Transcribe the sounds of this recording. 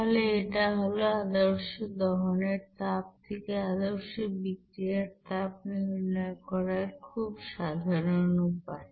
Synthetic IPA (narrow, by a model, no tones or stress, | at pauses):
ɦoleeʈaɦoload̪oɾʃod̪ɔɦoneɾt̪ap̚t̪ʰekead̪oɾʃobikɾieɾt̪ap̚niɾnɔekɔɾaɾkʰubʃad̪ʱaɾonupae